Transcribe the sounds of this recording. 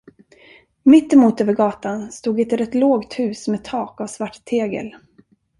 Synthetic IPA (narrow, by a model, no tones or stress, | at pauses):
mɪt̪ːɛmuːt̪øːvəɾɡɑːt̪anst̪uːɡɛt̪ɾɛt̪ːloːɡt̪hʉ̟ːsmeːt̪ʰɑːkavsvaʈt̪ʰeːɡə̰l